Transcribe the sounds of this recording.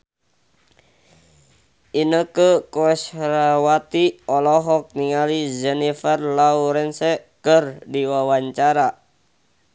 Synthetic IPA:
inəkəkɔɛsɾawat̪iɔlɔɦɔk̚niŋalid͡ʒɛnifərlauɾɛnsɛkərdiwawaɲt͡ʃaɾa

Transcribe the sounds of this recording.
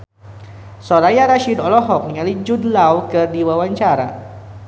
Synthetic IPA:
sɔɾajaɾaʃidɔlɔɦɔk̚niŋalid͡ʒudlawkɨrdiwawaɲt͡ʃaɾa̰

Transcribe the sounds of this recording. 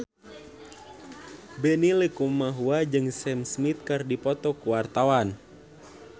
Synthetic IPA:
bɛnilekumaɦuad͡ʒɨŋsɛmsmit̪̚kɨrdipɔt̪ɔkuwart̪awan

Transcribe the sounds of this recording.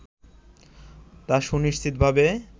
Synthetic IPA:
t̪aʃuniʃt̪ʰit̪̚bʱabe

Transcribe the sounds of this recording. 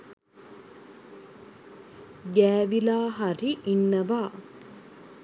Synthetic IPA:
ɡæːʋilaːɦaɾiʔinːəʋaː

